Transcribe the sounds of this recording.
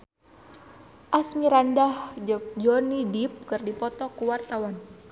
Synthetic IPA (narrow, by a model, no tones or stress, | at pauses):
ʔasmiɾandahd͡ʒək̚d͡ʒɔnidip̚kɨrdipɔt̪ɔkuwart̪awan